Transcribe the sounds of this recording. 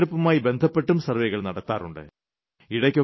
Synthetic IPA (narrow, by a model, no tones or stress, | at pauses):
ɽupːɐmaːjibe̞nd̪ʱɐpːe̞ʈːumsɐrʋejɣɐɭnɐɽɐt̪ːaːruɳɖɨ̰ | iɽɐkʲːo